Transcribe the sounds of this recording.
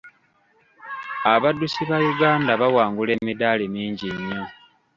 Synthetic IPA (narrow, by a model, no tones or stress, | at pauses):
aβadːusiβajuɡaːndaβawaːŋɡule̞ːmidaːlimiːɲɟiɲːo